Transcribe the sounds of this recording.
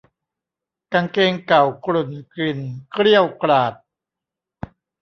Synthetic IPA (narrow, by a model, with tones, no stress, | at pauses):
ka˧ŋkeː˧ŋka˨˩wkɾu˨˩nkɾi˨˩nkʰɾi˥˩əwkɾaː˨˩t̪̚